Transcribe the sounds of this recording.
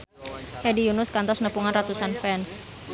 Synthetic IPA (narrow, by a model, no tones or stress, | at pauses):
hɛdijunʊskant̪ɔsnəpuŋanrat̪usanfɛns